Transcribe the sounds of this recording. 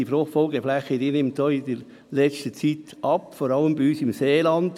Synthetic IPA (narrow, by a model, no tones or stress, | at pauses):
ifɾoχfɔlɡəflæχədiːnɪmtd̥oːɪdəɾ | lɛt͡stət͡siːt | ɑpfoːɾɑləmbiyːsɪmseːlɑnd